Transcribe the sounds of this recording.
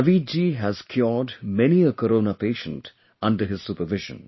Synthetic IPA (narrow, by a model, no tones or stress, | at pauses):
ʋid͡ʒiɦæz̥kʰjɔːɖmɛniəkəɾoːnapeːʃə̃nt | ʌ̃nɖəɦɪz̥supəɾʋɪʒə̰̃n